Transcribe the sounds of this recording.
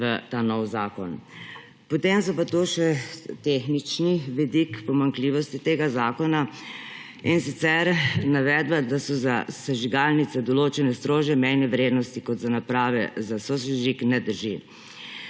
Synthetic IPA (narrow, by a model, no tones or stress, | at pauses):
ʋət̪anɔwzaːkɔn | pɔt̪emsɔpat̪oʃɛt̪exnit͡ʃniʋid̪ikpɔmaŋkliːʋɔst̪it̪eːɡazaːkɔna | insit̪sɛɾnaʋɛd̪bad̪asɔzasaʒiɡaːlnit̪sɛd̪ɔloːt͡ʃɛnɛst̪ɾoːʒjɛmɛjnɛʋɾeːd̪nɔst̪ikɔt̪zanapɾaːʋɛ̰zasosɛʒiknɛd̪əɾʒi